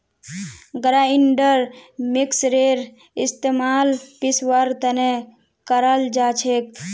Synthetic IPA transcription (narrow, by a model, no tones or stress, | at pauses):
ɡɾaiɳɖəɾmiksɾeɾ | ist̪emaːlpisʋəɾt̪əne | kəɾəld͡ʒaːt͡ʃʰek̚